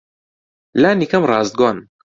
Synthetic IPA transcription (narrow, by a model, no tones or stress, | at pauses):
laːnikɐmrɑːzd̪̚ɡaːn